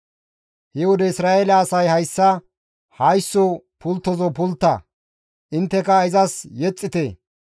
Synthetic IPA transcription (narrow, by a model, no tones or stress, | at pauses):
hɛwɔd̪ɛɪsɾaːʔelɐːsɐjhɐjsːɐ | hɐjsːɔ | pʊlt̪ːɔzɔpʊlt̪ːɐ̰ | ʔɪnt̪ːɛkɐɪzɐsjɛt͡sʼːɪt̪e